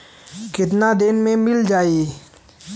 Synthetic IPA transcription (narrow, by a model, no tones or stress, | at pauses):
kɪt̪̬nad̪enmẽmɪld͡ʒaːi